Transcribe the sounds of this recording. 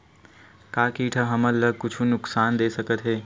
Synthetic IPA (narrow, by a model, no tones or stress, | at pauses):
kaːkiːʈʰəɦəməlːəɡ̚kʊt͡ʃʰunʊksaːnd̪eːsəkət̪ɦeː